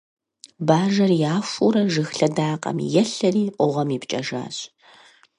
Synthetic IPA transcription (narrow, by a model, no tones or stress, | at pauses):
baːʒɐrjaːʂʷuɾɐʒɨxɬɐdaːqʼɐ̰mjɛɬɐriːʔʷɔʁɐmiːpt͡ʃʼɐʒa̰ːɕʼ